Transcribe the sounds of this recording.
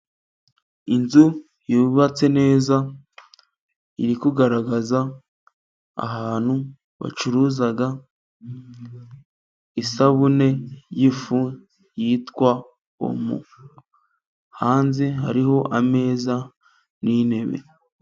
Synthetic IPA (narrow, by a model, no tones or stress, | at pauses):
inzu | juːβat͡se̞ne̞ːza | iɾikuɡaɾaɡaza | ɦaːn̥hu | βa̰t͡ʃuɾuːzaɡa | isaβune̞jifu | jitkwa | o̰mṵ | haːnziɦa̰ɾiɦo̞ʔame̞ːza | nine̞βe̞̰